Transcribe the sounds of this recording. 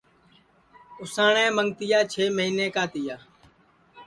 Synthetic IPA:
ʊsaːɳẽːməŋɡt̪ɪjaːt͡ʃʰeːməɦiːnẽːkaːt̪ɪjaː

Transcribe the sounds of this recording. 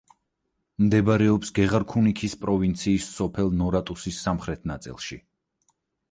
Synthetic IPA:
md̪ɛbɾɛɔpsɡɛʁaɾkʰunikʰispʼɾɔvint̪sʰiːsːɔpʰɛlˠnɔɾat̪ʼusisːamχɾɛt̪ʰnat̪sʼḭlˠʃi

